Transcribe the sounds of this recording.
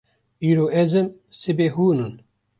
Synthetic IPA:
iːɾoːʔezɨmsɨbeːɦuːnɨn

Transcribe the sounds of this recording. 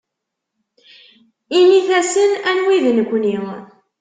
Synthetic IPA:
iniθæsənænwiðnəkʷːni

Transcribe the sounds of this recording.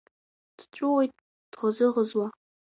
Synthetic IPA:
d̥t͡ʃʷʼʊwejtʼ | d̥ʁəzɨʁəzwa

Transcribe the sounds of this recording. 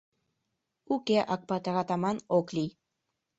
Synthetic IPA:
ukeʔɑk̚pɑt̪ɑɣɑt̪ɑmɑnoklʲij

